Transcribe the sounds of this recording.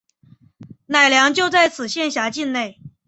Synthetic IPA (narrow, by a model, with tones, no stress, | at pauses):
na˨˩ɪljɑ˧˥ŋt͡ɕjo˥˧ʊt͡sa˥˩ɪt͡sʰɹ̩˨˩ɕjɛ˥˩nɕja˧˥t͡ɕi˥˧nne˥˩ɪ